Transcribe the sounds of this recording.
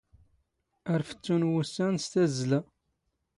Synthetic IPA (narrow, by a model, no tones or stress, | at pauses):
əɾfə̥t͡sːunwusːænst̪æzlæ